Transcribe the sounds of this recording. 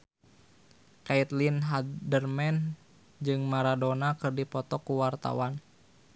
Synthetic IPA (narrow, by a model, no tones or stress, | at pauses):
kait̪linɦadərmɛn | d͡ʒɨŋmaɾadonakɨrdipɔt̪ɔkuwart̪a̰wan